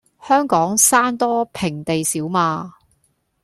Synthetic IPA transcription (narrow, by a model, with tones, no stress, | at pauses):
hœː˥ŋkɔː˨˥ŋsaː˥nt̪ɔː˥pʰɪ˨˩ŋt̪e˨jsiː˨˥wmaː˧